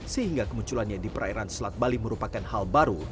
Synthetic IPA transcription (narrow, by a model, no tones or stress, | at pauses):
səɦiŋɡakəmuɲt͡ʃulanɲadipəɾaiɾanslat̪̚baliməɾupakanhalbaɾu